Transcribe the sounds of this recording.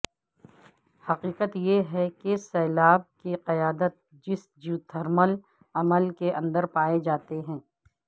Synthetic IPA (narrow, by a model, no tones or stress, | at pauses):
hɐqiːqət̪jeɦɛkesɛːlaːb̚kiqɐjaːd̪ət̪̚ | d͡ʒɪs | d͡ʒut̪ʰəɾməl | ɐməlkeʔɐ̃nd̪əɾpaːed͡ʒaːt̪eɦɛ̃ː